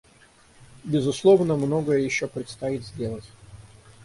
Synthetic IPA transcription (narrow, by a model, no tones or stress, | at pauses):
bʲɪzʊslˠovnəmno̞ɡəjəjɪɕːopɾʲɪt̪st̪ait̪zʲdʲe̞lˠətʲ